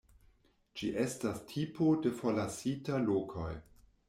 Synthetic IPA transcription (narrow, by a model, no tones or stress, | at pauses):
d͡ʒiʔe̞stastʰipʰodefoɾlasitalokʰo̰j